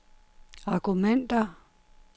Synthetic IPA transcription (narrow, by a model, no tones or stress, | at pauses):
akumɛnt̪ʼa